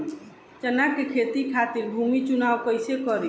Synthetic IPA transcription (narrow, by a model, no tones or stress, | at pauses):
t͡ʃənakekʰet̪ikʰat̪iɾbʱumit͡ʃunawkəjsekɔɾi